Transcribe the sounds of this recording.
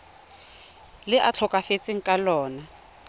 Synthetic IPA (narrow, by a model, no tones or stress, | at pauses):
lɪʔat͡ɬʰɔkʼafet͡sʼɪŋ̩kʼalɔːna